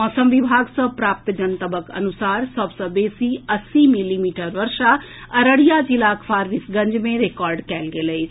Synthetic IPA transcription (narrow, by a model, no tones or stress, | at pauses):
mɔːsəmʋibʱaːɡsɐ̃pɾaːp̚t̪d͡ʒənt̪əbəkɐ̰nusaːɾsəbsɐ̃beːsiɐsimilimiːʈəɾʋɐɾʃa | ɐɾəɽijad͡ʑilaːkʰfʰaːɾʋɪsɡɐ̃ɲd͡ʒmẽɾeːkɔːɾɖkɛːlɡeːləi